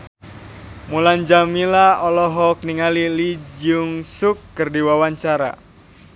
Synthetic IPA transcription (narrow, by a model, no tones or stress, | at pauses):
muland͡ʒamilaɔlɔɦɔk̚niŋalilid͡ʒʊŋsʊkːərdiwawaɲt͡ʃaɾa̰